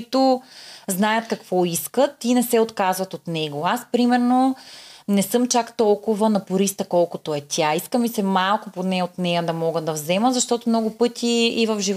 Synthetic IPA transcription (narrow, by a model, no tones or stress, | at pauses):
t̪oznajət̪kɐkvɔiskət̪inɛsɛot̪kazvɐt̪ot̪nɛɡoaspɾimɛɾnonɛsɤmt͡ʃakt̪ɔlˠkʊvənɐpʊɾist̪əkɔlˠkʊt̪oɛt̪ʲʰaiskəmisɛmalˠkʊponɛot̪nɛjɐd̪ɐmɔɡəd̪ɐvzɛməzɐʃt̪ɔt̪omnɔɡʊpɤt̪ʰiːvəfʒiv